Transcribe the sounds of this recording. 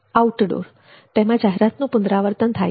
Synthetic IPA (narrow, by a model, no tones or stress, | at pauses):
auʈɖo̰ɾ | t̪ɛmãd͡ʒaɦeɾat̪nũpʊnd̪ɾaʋəɾt̪ənt̪ʰa̰